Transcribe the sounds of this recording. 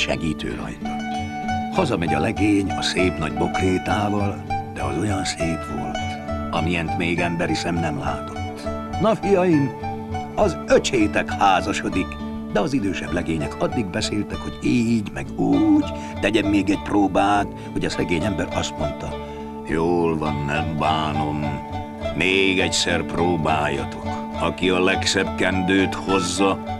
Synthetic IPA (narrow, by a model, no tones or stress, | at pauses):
ʃɛ̰ɡiːt̪ø̰ːnɒ̰jnɒ | hɒzɒmɛɟɒlɛɡeːɲɒseːpnɒɟbo̞kleːt̪aːvɒld̪̥ɛ̰ɒ̰zo̞jɒnseːpʋo̰lt̪ | ɒ̰mijɛnt̪meːɡɛmbɛɾisɛmnɛmla̰ːt̪o̥t̪ː | nɒfijɒjim | ɒzøt͡ʃeːt̪ɛkhaːzɒʃo̞d̪ik | d̪ɛɒzid̪øːʃɛblɛɡeːɲɛkʰɒd̪ːiɡ̚bɛseːlt̪ɛkho̞ɟiːɟmɛɡuːɟ | t̪ɛɟɛmːeːɡɛc̚proːbaːt̪ | hoɟɒsɛɡeːɲɛmbɛɾɒst̪mo̞nt̪ɒ | joːlvɒnːɛmbaːno̞mː | eːɡɛcsɛrproːbaːjːɒ̰t̪o̞̥k | ɒkiɒlɛksɛbkɛnd̪øːt̪ho̞zːɒ